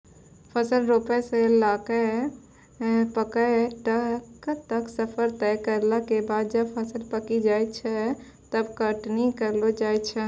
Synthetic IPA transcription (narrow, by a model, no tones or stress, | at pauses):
pʰəsəlɾopɛselakə | pəkəʈəkt̪əksəpʰəɾt̪ɛkəɾlakebad̪̚d͡ʒəbpʰəsəlpəkid͡ʒajt͡ʃʰɛ | t̪əbkəʈnikəɾlod͡ʒajt͡ʃʰɛ